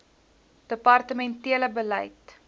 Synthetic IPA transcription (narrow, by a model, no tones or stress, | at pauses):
d̥əpɐrtəmɛntiələbəlɐ̰jt